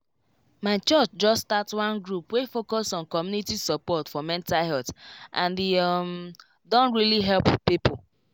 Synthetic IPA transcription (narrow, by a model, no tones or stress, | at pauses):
maɪt͡ʃɔt͡ʃd͡ʒɔsstatwãnɡɹupwefokɔsɔ̃nkɔmjunitisɔpɔtfɔmɛ̃ntahɛtʔãndem | dõntɹiliɦɛlppipo